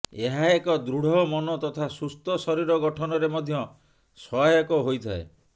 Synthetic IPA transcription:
eɦaekɔd̪ɾuɽ̤ɔmɔnɔt̪ɔt̪ʰasust̪ɔsɔɾiɾɔɡɔʈʰɔnɔɾemɔd̪ʱjɔ | sɔekɔɦojt̪ʰae

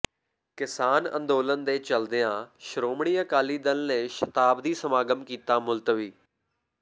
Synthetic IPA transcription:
kɪsaːnə̰̃nd̪oːlənd̪eːt͡ʃəld̪ejãːʃəɾoːmɽiːəkaːliːd̪əlneːʃət̪aːbd̪iːsəmaːɡəmkiːt̪aːmʊlt̪ʋiː

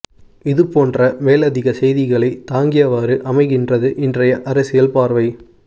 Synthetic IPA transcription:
ɪðɯpoːndrɐʋeːlɐðɪɣɐsɛjðɪɣɐɭɐɪt̪ːaːŋɡɪjɐʋaːɾɯʔɐmɐɪɣɪndrɐðɯʔɪndrɐjɐʔɐɾɐsɪjɐlpaːɾʋɐɪ

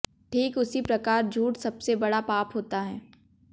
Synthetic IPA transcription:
ʈʰiːkʊsipɾɐkaːɾd͡ʒʱuːʈsɐbsebɐɽapaːpɦoːt̪aɦɛː

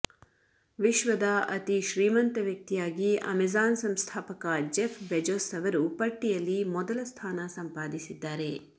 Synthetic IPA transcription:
ʋiʃʋɐd̪ɐʔɐt̪iʃɾiːmɐnt̪ɐʋjɐk̚t̪ijaːɡiɐ̰mezaːnsɐmst̪ʰaːpɐkɐd͡ʒefʰbed͡ʒoːsɐʋɐɾupɐʈːijɐlːimɔd̪ɐlɐst̪ʰaːnɐsɐmpaːd̪isid̪ːaːɾe̞

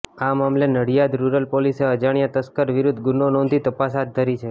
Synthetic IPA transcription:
amamlenəɽjad̪ɾuɾəlpoliseəd͡ʒaɽjat̪əskəɾʋɪɾud̪ʱːɡʊnonɔ̃nd̪ʱit̪əpasɦat̪̚d̪ʱəɾit͡ʃʰe

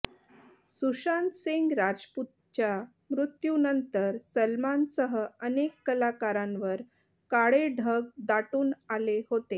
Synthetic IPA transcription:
suɕant̪siŋɡɾad͡ʑput̪̚t͡ɕja | mɾut̪junənt̪əɾsəlmansəɦəənekːəlakaɾãnʋəɾ | kaɭeɖʱəɡ̚d̪aʈuːnalehot̪e

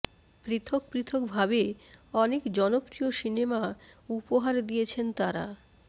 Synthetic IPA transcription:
pɾit̪ʰok̚pɾit̪ʰok̚bʱabeɔnekd͡ʑɔnopɾioʃinemaupoɦaɾd̪ijet͡ɕʰent̪aɾa̰

